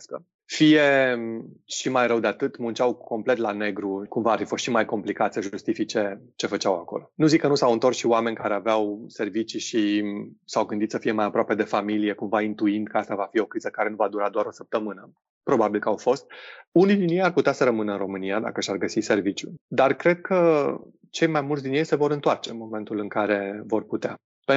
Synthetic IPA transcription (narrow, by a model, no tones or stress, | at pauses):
kə | fije̞ | ʃimajɾəwd̪eat̪ɨt̪munt͡ʃawko̞mple̞t̪lane̞ɡɾukumvaːrfifo̞st̪ʃimajko̞mplikat̪səʒust̪ifit͡ʃet͡ʃe̞fət͡ʃawako̞̰lo̞nuzikːənusawɨnt̪o̞rsʃiwame̞nʲkaɾe̞aveawse̞rvit͡ʃiʃisawɡɨnd̪it̪səfije̞majapɾoape̞d̪e̞familije̞kumvaint̪uind̪̚kəast̪avafio̞kɾizəkaɾe̞nuvad̪uɾad̪oaɾo̞səp̚t̪əmɨnə | pɾo̞babilkəawfo̞st̪̚unid̪injejarput̪easəɾəmɨnəɨnro̞mɨniad̪a̰kəʃarɡəsise̞rvit͡ʃjud̪arkɾe̞d̪̚kʰə | t͡ʃe̞jmajmult̪d̪injejse̞vo̞ɾɨnt̪oart͡ʃe̞nmo̞me̞nt̪ulɨŋkaɾe̞vo̞rput̪ea | p